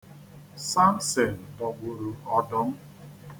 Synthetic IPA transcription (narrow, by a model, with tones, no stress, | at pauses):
sa˦n̩˦se˨n̩˨dɔ˨ɡ͡bʊ˨ɾu˨ɔ˦dɔ˦ŋ̩˦